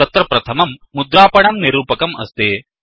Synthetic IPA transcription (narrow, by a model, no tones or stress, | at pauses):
ɐt̪ɾɐpɾɐt̪ʰɐmɐmːud̪ɾaːpɐɳɐmniɾuːpɐkɐmɐ̰st̪eː